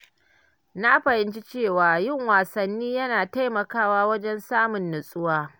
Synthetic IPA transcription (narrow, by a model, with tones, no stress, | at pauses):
naː˦ɸɐ˨hɪ˦nt͡ʃi˦t͡ʃeː˦˨waː˨jɪ˦˨ŋwaː˨sɐ˨nːiː˦jɐ˦naː˨ta˦jmɐ˨kaː˦waː˦wɐ˦d͡ʒɛ˦nsaː˦mʊ˨nːʊ˨sʼʊ˦waː˦